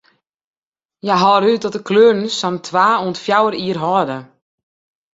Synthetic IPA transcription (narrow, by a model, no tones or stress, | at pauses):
jaɦɔːɾyt̚dɔt̚əkʰlørn̩sɔmtʰʋaːuəntfjawəɾiərɦɔdə